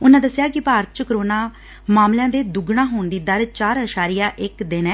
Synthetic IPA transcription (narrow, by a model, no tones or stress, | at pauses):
ʊnãːd̪əsːɪjaːkɪpaːɾət̪t͡ʃəkɾoːnaː | maːmljãːd̪eːd̪ʊɡɽãːɦoːnd̪iːd̪əɾt͡ʃaːɾɦəʃaːɾɪjãːʔɪkd̪ɪnɛː